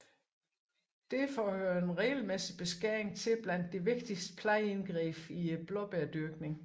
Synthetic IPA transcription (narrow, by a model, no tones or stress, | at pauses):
d̥e̝fɒːhøɐenʁɛɪl̩mesib̥e̝sɡ̥æɐ̰eŋt͡sʰe̝b̥læn̰d̥ːe̝ʋe̝ɡ̥d̥isd̥ə̥pʰlɑ̈ɪenɡ̥ʁḭːb̥ib̥lɒb̥eɐd̥yɐɡ̥ne̝ŋ